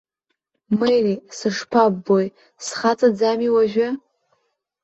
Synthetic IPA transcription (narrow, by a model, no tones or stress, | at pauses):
mɨjrisɨʂpʰaboj | sχat͡sʼad͡zamiwaʒᶣɪ